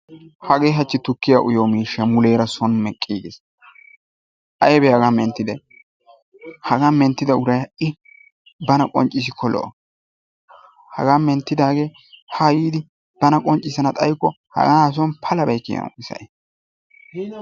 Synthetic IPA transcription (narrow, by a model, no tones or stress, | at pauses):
hɐɡeːɦɐt͡ʃːɪt̪ʊkːɪjaʔʊjoːmiːʃɐmʊleːɾɐsɔnmɛkʼːḭːɡ̪ɪs | ʔɐjbɛhɐɡaːmɛnt̪ːɪd̪ɛj | hɐɡaːmɛnt̪ːɪd̪ɐʊɾɐjɪ | bɐnɐkʼɔ̰nt͡ʃʼːɪs̬ɪkʰɔlɔ̰ʔɔ | hɐ̰ɡaːmɛnt̪ːɪd̪aːɡeː | hajiːd̪ɪ | b̥ɐnɐkʼɔnt͡ʃʼɪsɐnɐt̪ʼɐjkːɔ | hɐ̰ɡaːs̬ɔnpʰɐlɐbɛjkːɪ̰jɐ̰nsɐ̰ʔe